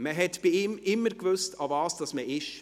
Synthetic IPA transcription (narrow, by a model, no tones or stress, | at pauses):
məɦɛtb̥iiːmɪmːəɾkʋʏstɑvɑːsd̥ɑsməʔɪʃ